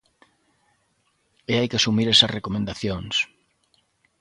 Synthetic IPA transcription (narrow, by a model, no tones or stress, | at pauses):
eajkeasumiɾesɐsrekomẽnd̪aθjoŋs